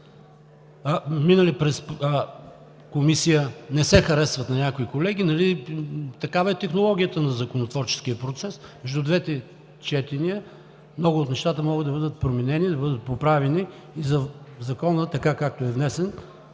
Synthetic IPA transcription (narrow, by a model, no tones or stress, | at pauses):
minəlipɾɛs | komisijənɛsɛxɐɾɛsvɐt̪nɐnʲakoikolɛɡ̟inɐlit̪ɐkavɐɛt̪ɛxnolˠɔɡ̟ʲijət̪ənɐzɐkonot̪vɔɾt͡ʃɛ̥sk̟ijəpɾot̪sɛsmɛʒd̪ud̪vɛt̪ɛ | t͡ʃɛt̪iniə | mnɔɡʊoːt̪nɛʃt̪at̪əmɔɡəd̪ɐbɤd̪ət̪̚pɾominɛnid̪ɐbɤd̪ət̪̚popɾavɛniː | zɐzɐkɔnət̪ɐkakak̚t̪oɛvnɛsɛn